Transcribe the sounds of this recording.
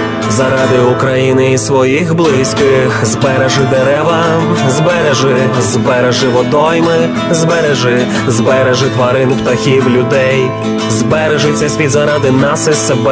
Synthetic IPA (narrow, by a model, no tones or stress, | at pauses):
zɐɾɑd̪ɪukɾɐjinɪisʋɔjixblˠɪsʲkɪxzbɛɾeʒɪd̪eɾɛʋɐ | zbɛɾeʒɪ | zbɛɾeʒɪʋɔd̪ɔjmɪ | zbɛɾeʒɪ | zbɛɾeʒɪt̪ʋɐɾɪnpt̪ɐxʲiwlʲʊd̪ɛj | zbɛɾeʒʊt͡sʲːɐsʲʋʲid̪zɐɾɑd̪ɪnɑsɪseb